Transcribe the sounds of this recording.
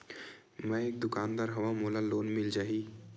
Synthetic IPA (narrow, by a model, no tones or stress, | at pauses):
mɛ̃eːk̚d̪ʊkaːnd̪aːɾɦɐʋãmoːlaloːnmɪld͡ʒaːɦiː